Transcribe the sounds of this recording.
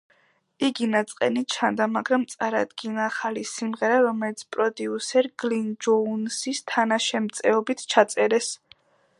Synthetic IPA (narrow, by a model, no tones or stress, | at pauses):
iɡinat̪sʼqʼɛnit͡ʃʰand̪amaɡɾamt̪sʼaɾad̪ɡinaːχalisimʁɛɾaɾɔmɛlit̪sʰpʼɾɔd̪iusɛɾɡ̥lind͡ʒɔnsist̪ʰanaʃɛmt̪sʼɛɔbit̪ʰt͡ʃʰat̪sʼɛɾɛs